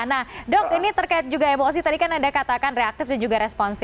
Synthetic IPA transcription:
nahdɔk̚init̪ərkaɪt̪̚d͡ʒuɡaemos̬it̪adikanadakat̪akanreak̚t̪ɪfdand͡ʒuɡaɾɛspɔnsɪ

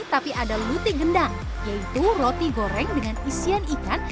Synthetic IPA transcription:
t̪apiʔadalut̪iɡəndaŋ | jait̪urot̪iɡoɾɛŋdəŋanisianikan

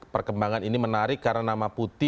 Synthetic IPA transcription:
pərkəmbaŋaninimənaɾɪkːarnanamaput̪ɪ

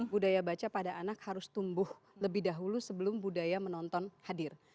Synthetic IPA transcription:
budajabat͡ʃapadaʔanakhaɾʊst̪umbʊh | ləbɪhdaɦulusəbəlʊmbudajamənɔnt̪ɔnhadɪr

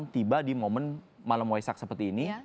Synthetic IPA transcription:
ŋt̪ibadimomən | malamoesak̚səpərt̪iːni

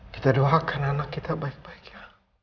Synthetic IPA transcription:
ki̥t̪adoakananakːit̪abaik̚baikja

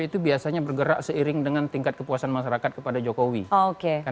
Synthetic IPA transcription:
it̪ubiasaɲabərɡəɾa̰ʔsəiɾɪŋdəŋant̪iŋkat̪̚kəpuasanmaʃaɾakat̪̚kəpadad͡ʒokowiookeka

